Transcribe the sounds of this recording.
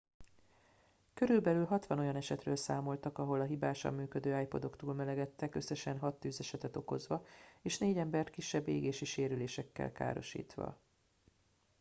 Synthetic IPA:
kø̞ɾylbɛlylɦɒt̪ʋɒno̞jɒnɛʃɛt̪røːlsaːmo̞lt̪ɒkɒɦo̞lɒɦibaːʃɒ̰mːyːkød̪øːaːjpo̞d̪o̞kt̪uːlmɛlɛɡɛt̪ːɛkø̞sːɛʃɛnɦɒt̪ːyːzɛʃɛt̪ɛt̪o̞ko̞zʋɒeːʃneːɟɛmbɛrt̪kiʃːɛbːeːɡeːʃiʃeːɾyleːʃɛkːɛ̰lka̰ːɾo̞̰ʃḭːt̪ʋɒ̰

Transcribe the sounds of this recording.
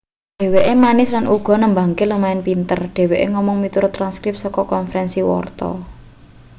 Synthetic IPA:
ɖ̥e̤weʔemanɪslanʔuɡ̥ɔ̤nəmba̤ŋkeləmaɪnpint̪ərɖ̥e̤weʔeŋɔmɔŋmit̪uɾʊt̪ɾanskɾɪp̚sɔkɔkɔnfəɾɛnsiwɔ̰rt̪ɔ̰

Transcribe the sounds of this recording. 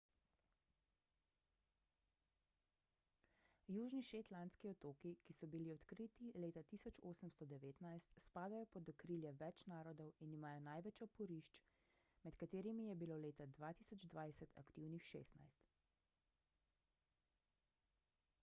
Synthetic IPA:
juːʒniʃeːt̪lant̪skiɔt̪oːkikisɔbiliɔt̪kɾit̪ileːt̪at̪iːsɔt͡ʃoːsəmst̪ɔd̪ɛʋeːt̪najst̪spaːd̪ajɔpɔd̪ɔkɾiljɛʋɛt͡ʃnaːɾɔd̪ɔwinimaːjɔnajʋɛt͡ʃɔpɔɾiʃt͡ʃ | mɛt̪kat̪eːɾimijɛbiloːleːt̪ad̪ʋaːt̪iːsɔd͡ʒd̪ʋajsɛt̪ʰa̰kt̪iwnixʃḛːst̪na̰jst̪

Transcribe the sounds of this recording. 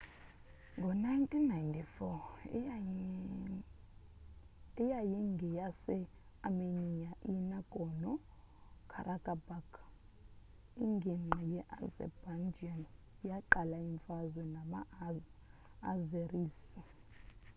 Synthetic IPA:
ŋɡʱɔnajntʼinːajntʰifɔ | ɛjajiŋɡʱɛjasɛ | amenijaʔinaɡ̥ʱʼɔnɔkʰa̰ɾʔakʼabak | iŋɡʱiŋ͡ǃajɛʔazɛ̰band͡ʒiɔn | jaǃalaiɱfazwɛnama | azeriːsi

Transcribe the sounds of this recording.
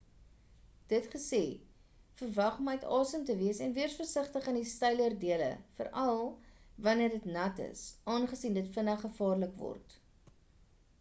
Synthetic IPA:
d̥ətχəseː | fərvɐχməjtɑːsəmtəviəsɛnviərsfərsəχtəχəndistɐjlərdiələ̰fə̰ɾɐlˠvɐniərdətnɐtə̰sʔɑːnχəsiːndətfənɐχəfɑːrləkvɔ̰rt

